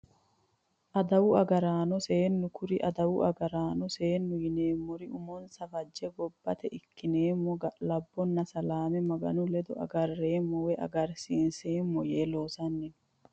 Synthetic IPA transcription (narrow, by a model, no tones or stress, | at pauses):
ʔɐd̪ɐwʊɐɡɐɾaːnɔseːnːʊkʰʊɾɪʔɐd̪ɐwʊʔɐɡɐɾaːnɔse̞ːnːʊjɪneːmːɔɾɪʔʊmɔnsɐfɐd͡ʒːɛbɔbːɐt̪ɛʔɪkːɪneːmːɔɡɐlɐbːɔnːɐsɐlaːmɛmɐɡɐ̰nʊlɛd̪ɔʔɐ̰ɡɐrːeːmːɔwɛʔɐ̰ɡɐɾsiːnseːmːɔjeːloːsɐnːɛn